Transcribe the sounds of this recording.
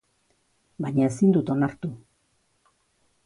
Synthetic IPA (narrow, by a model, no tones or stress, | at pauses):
bajɲae̞sind̪ut̪o̞naɾt̪u